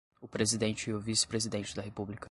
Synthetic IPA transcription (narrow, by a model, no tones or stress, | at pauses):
ʊpɾezid̪ẽt͡ʃɪɪʊvisɪ̥pɾezid̪ẽnt͡ʃɪd̪ɐɦepublikɐ